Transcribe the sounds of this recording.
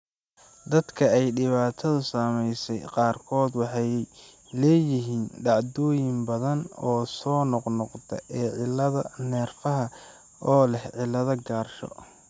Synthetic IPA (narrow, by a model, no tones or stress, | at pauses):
d̪ɐd̪kʰɐɛjɖɪβaːt̪ʰɐðʊsaːmɛjsɛjqɑːrkʰɔːd̪wɑħɛjɛj | lɛːjɪɦiːnɖɑʕd̪ɔːjɪmbɐðɐnɔːsɔːnɔqnɔqt̪ʰɐ̰ʔɛːʕɪlɐðɐnɛːrfɐɦɐ | ɔːlɛhʕɪlːɐðɐɡaːrʃɔ̰